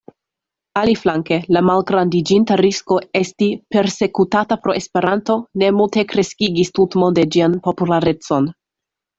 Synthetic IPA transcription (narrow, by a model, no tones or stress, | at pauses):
aliflaŋke̞lamalɡɾandid͡ʒintaɾisko̞e̞stipe̞ɾse̞kutatapɾo̞espe̞ɾanto̞ne̞multe̞kɾe̞skiɡistutmo̞de̞d͡ʒianpo̞pulaɾe̞t͡so̞n